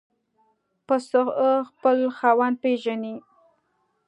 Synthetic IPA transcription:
pəsəɣəxpəlxɑwand̪̚peʒani

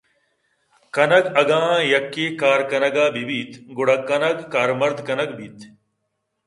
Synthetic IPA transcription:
kɐnɐɡɐɡãːjɐkːekaːɾkɐnɐɡaːbibiːt̪ɡʊɽɐkːɐnɐɡkaːɾmɐɾd̪kɐnɐɡbiːt̪

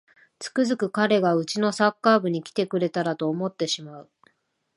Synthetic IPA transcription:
t͡sɨ̥kɯ̟zɨkɯ̟kaɾe̞ɡaɯ̟t͡ɕino̞sakːaːbɯ̟ɲ̟ikʲi̥t̪e̞kɯ̟ɾe̞t̪aɾat̪o̞ːmo̞t̪ːe̞ɕimaɯ̟

